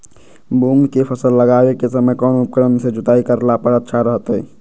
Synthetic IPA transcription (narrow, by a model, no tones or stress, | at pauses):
buŋɡkepʰəsəlːəɡaːwekesəməjkɔːnʊp̚kəɾənsed͡ʒʊt̪aːikəɾlapəɾətːʃʰaɾəɦət̪ɦɛ̰ː